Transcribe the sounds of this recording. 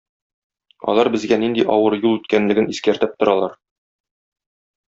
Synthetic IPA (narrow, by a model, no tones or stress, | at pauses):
ɒ̰lˠɑɾbɘ̆zɡænind̪iʔɒwɤɾjulˠʉt̪kænlɘ̆ɡɘniskæɾt̪ɘp̚t̪ŏɾɑlˠɑɾ